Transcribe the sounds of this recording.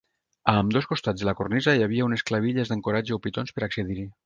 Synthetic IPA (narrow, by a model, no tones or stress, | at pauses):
amd̪oskost̪ad͡zðəlakornizəjaβiaunesklaβ̞iʎezðəŋkoɾad͡ʒəopit̪onspəɾaksəðiɾi